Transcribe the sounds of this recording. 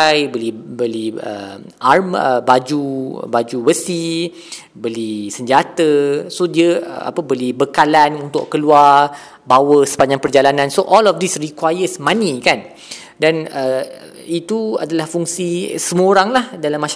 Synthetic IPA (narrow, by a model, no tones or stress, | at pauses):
jbəlihbəlihə̰ | arməbad͡ʒubad͡ʒubəsi | bəlisəɲd͡ʒat̪əsodiəə̰a̰pəbolihbəkalanunt̪ʊʔkəluar | bawəsə̥paɲd͡ʒaŋpərd͡ʒalanãnsoʔɔlɔfdisrikwajəsmãnĩkan | danə | it̪ua̰dalahfuŋsisəmuooɾaŋlahdalamːã